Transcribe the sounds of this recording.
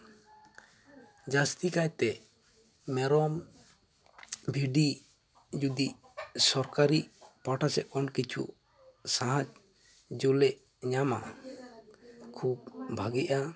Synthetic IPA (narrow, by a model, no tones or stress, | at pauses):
d͡ʒast̪ikajt̪ɛ | mɛɾɔm | bʱiɖi | d͡ʒud̪iʔ | sɔɾkaɾiʔpaʈasɛʔɔnkit͡ʃʰṵʔ | saɦad͡ʒ | d͡ʒɔlɛʔ | ɲama̰ | kʰubbʱaɡiʔa